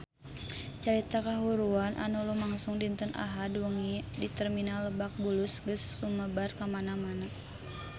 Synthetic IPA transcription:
t͡ʃəɾit̪akaɦuɾuanʔa̰nulumaŋsʊŋdint̪ənʔa̰ɦadwəŋidit̪ərminalːəbak̚bulusɡəsːuməbarkamanamana

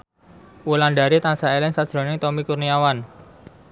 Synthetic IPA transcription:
wulanɖa̤ɾit̪ansaelɪŋsad̥ʒ̥ɾo̤nɪŋt̪ɔmikurniawan

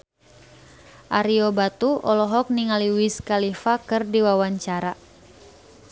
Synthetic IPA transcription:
ʔaɾiobat̪uʔɔlɔɦɔk̚niŋaliwiskalifakɨrdiwawaɲt͡ʃaɾa

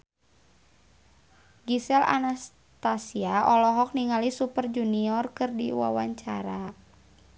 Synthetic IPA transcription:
ɡisɛla̰nas | t̪asiaʔɔlɔɦɔk̚niŋalisupərd͡ʒuniɔrkɨrdiwa̰waɲt͡ʃaɾa

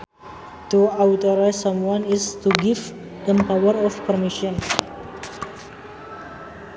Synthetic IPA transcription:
tuawt̪ɔɾaɪsːãmwãnɪst̪uɡiv | d̪əmpawəɾɔfpəɾmiʃə̃n

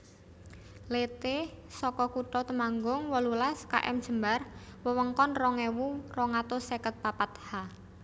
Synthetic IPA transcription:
let̪esɔkɔkuʈɔt̪əmaŋɡʊŋwɔlulaska̰ʔɛ̰md̥ʒ̥ə̤mbarwəwəŋkɔnrɔŋewurɔŋat̪osekət̪̚papat̪̚ha

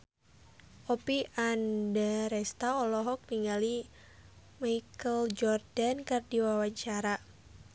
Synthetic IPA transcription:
ʔɔpiandaɾɛst̪aɔlɔɦɔk̚niŋɡali | majkəld͡ʒɔrdankərdiwawaɲt͡ʃaɾa

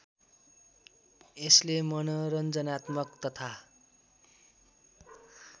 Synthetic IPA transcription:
eslemʌnʌɾʌnd͡zʌnat̪mʌkt̪ʌt̪ʰa

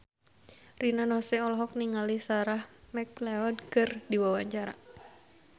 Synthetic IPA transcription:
rinanɔsɛɔlɔɦɔk̚niŋalisaɾahmɛklɛɔdkɨrdiwawaɲt͡ʃaɾa̰

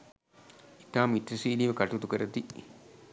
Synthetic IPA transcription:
it̪aːmit̪ɾɐsiːliːʋəkɐʈut̪ukəɾɐt̪i

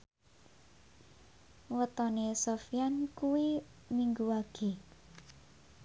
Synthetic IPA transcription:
wət̪ɔnesofijankuwimiŋɡuwaɡ̥e

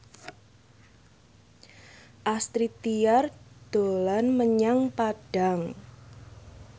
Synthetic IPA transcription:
ʔast̪ɾit̪iard̪̥olanməɲaŋpaɖ̥a̤ŋ

